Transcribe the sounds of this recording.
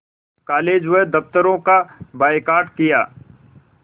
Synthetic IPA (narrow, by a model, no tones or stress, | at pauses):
kaːleːd͡ʒʋed̪ɐpt̪əɾõkabaːɪkaːɾʈkɪjaː